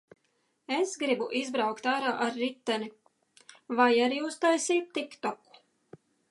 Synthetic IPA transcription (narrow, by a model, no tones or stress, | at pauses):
esɡɾibuʔizbɾawkt̪aːɾaːʔaɾːit̪ːani | vajaɾiust̪ajsiːt̪ːikt̪ɔku̥